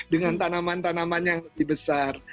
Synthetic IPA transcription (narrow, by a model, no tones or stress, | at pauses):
dəŋant̪anamant̪anamanjaŋləbɪhbəsar